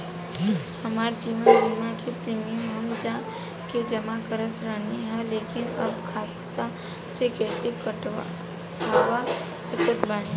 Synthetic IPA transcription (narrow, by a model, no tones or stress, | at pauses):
hɐmaːɾd͡ʒiːʋənbiːmãkepɾiːmiəmɦəmd͡ʒã | ked͡ʒəmakəɾət̪ɾəɦneɦɛleːkɪnɐbkʰaː | t̪a | sekɛːsekəʈ | aːʋa | səkət̪baːn